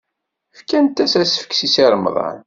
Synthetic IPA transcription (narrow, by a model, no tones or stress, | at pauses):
fkænt̪ːæsæsfə̥kːsisiɾˤmə̰ðˤɑ̰n